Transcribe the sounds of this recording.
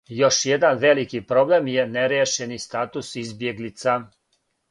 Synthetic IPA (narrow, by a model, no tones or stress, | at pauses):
joʃjed̪anʋelikipɾoblemjeneɾjeʃenist̪aːt̪usizbjeɡlit̪sa